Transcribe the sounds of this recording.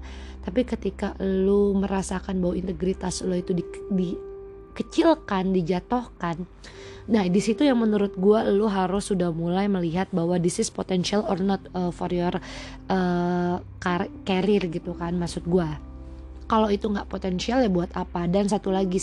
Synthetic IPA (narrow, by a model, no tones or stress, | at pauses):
t̪apikət̪ikaluməɾasakanbawaint̪əɡɾit̪asluit̪udidi | kət͡ʃɪlkandid͡ʒat̪ohkanː | ahdisit̪ujaŋmənuɾʊt̪̚ɡualuɦaɾʊsːudahmulajməliɦat̪̚bahwadisɪspot̪ɛnsialɔrnɔt̪̚əfɔrjɔr | ʔə | kkaɾɪrɡit̪ukanmasʊt̪̚ɡua | kalowit̪uŋɡaʔpot̪ɛnsialjabuat̪apadans̬at̪ulaɡi